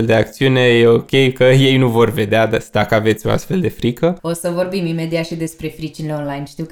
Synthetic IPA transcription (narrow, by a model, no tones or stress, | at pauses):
ld̪e̞ak̚t̪siune̞jeo̞kʲe̞jkəje̞jnuvo̞rve̞d̪ead̪ad̪akəave̞t̪sʲo̞a̰st̪fe̞ld̪e̞fɾikʰəo̞səvo̞rbimime̞d̪iat̪ʃid̪e̞spɾe̞fɾit͡ʃineeonlajnʃt̪iw